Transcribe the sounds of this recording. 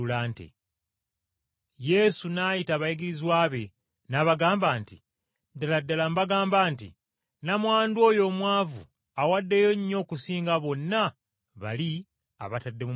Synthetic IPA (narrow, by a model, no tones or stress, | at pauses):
ulaːntḛ | je̞sunaːjitaːβajiɡiɾizwaːβe̞ | naːβaɡaːmbaːntḭ | daladːalambaɡaːmbaːntḭ | namwaːndwo̞ːjo̞ːmwaːvṵ | awadːe̞jo̞ɲːo̞ːkusiːŋɡaβo̞nːa | βa̰li | a̰βatadːe̞mu